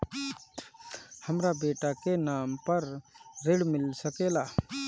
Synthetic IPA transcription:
həmɾabeːʈakenaːmpəɾɾɪɽmɪlsəkeːlaː

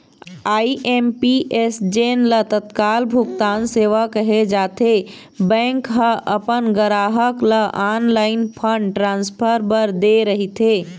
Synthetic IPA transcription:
aːiʔempiʔesd͡ʒeːnlət̪ət̪kaːlbʱʊkt̪aːnseːʋakɐɦed͡ʒaːt̪ʰe | bɛ̃ːŋkɦəʔɐpənɡəɾaːɦəkləʔaːnlaːɪnpʰə̃ɳɖʈɾãːnspʰəɾbəɾd̪eɾɐɦit̪ʰeː

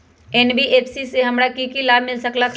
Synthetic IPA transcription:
ɛːnbiʔeːpsiseɦɐmɾakikilaːbmɪlsɐkla

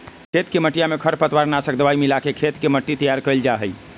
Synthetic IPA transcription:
kʰet̪keməʈijamekʰəɾpət̪waɾnasək̚d̪əʋaimilakekʰet̪keməʈːit̪əjaɾkəɪld͡ʒaɦəj

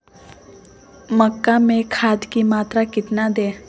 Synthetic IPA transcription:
məkːamẽkʰaːd̪kimaːt̪ɾakɪt̪nad̪eː

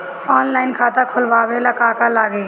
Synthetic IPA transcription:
ɔːnlaːɪnkʰaːt̪akʰʊlʋaːʋelɐkaːkalaːɡe

